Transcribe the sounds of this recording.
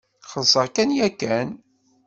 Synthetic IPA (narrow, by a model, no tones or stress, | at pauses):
χəðsˤəɾkænjækːæn